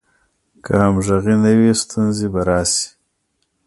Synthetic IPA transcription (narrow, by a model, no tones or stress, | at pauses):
kʰahamʒaɣinawist̪ʰunzibaɾɑːsi̥